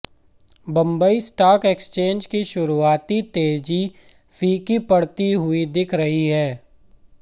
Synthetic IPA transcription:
bɐ̃mbəisʈaːkekst͡ʃẽːnd͡ʒkiʃʊɾuaːt̪it̪eːd͡ʒi | fʰiːkipɐɽt̪iɦʊid̪ɪkʰɾɐɦiɦɛː

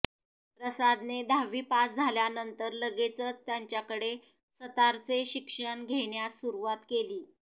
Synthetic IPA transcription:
pɾəsad̪ned̪ʱaʋiːpasd͡zʱaljanənt̪əɾləɡet͡sət͡st̪jaɲt͡ɕjakəɽe | sət̪aɾt͡seɕikʂəɳɡʱeɳjasuɾuʋat̪keliː

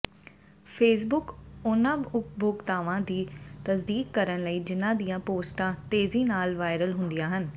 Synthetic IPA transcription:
pʰeːs̬bʊkʊnãːʊkbʱoːɡt̪aːʋãːd̪iːt̪əsd̪iːkːəɾənləiːd͡ʒɪnãːd̪ijãːpoːsʈãːt̪eːziːnaːlʋaːɪɾəlɦʊnd̪ijãːɦən

